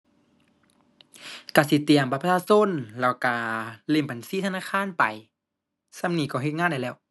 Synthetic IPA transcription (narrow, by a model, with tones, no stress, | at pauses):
ka˧˩si˧˦t̪i˨əmpa˧˦pʰa˧aː˧˨so˧˥˨nlɛː˧˩wka˧˩le˧˩˨mba˨nsiː˧˥t̪ʰa˧naː˧˥˨kʰaː˧˥˨npa˨˩j | sa˧˨mniː˧˩kɔː˧˩˨ɦe˧t̪̚ŋaː˧˥˨da˧˩jlɛː˧˩˨w